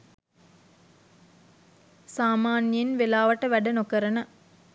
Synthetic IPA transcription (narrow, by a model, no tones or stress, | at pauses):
saːmaːnjjenʋelaːʋɐʈəʋæɖənokəɾənə